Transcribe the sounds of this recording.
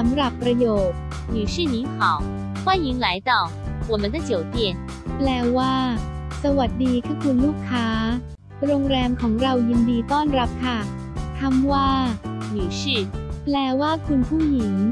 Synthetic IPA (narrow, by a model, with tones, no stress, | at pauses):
sa˩˦mɾa˨˩pːɾa˧joː˨˩t̪̚ | nyː˨˩ʂɯː˥˩ni˨˧˥ŋkʰɔ˨˩˦w | kwaː˥˩ji˨˦ŋla˨˦jt̪ɔ˨˩ | wɔ˨˩mə˧nd̪a˧˩t͡ɕi˨˩wp̪i˧˩ən | plɛː˧waː˥˩ | sa˧wa˨˩t̪̚diː˧kʰaː˥˩kʰu˧nluː˥˩kʰːaː˦˥ | ɾoː˧ŋɾɛː˧mkʰɔː˩˦ŋɾa˧wji˧ndiː˧t̪ɔː˥˩nɾa˦˥p̚kʰa˥˩ | t̪ʰa˧˥mwaː˥˩nyː˨˩ʂɯ˥˩plɛː˧waː˥˩kʰu˧npʰuː˥˩ŋji˩˦ŋ